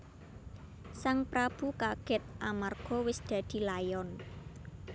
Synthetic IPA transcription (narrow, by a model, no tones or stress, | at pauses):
saŋpɾab̥ṳkaɡ̥ɪt̪̚ʔamarɡ̥ɔwɪsd̪̥ä̤d̪̥i̤lajɔn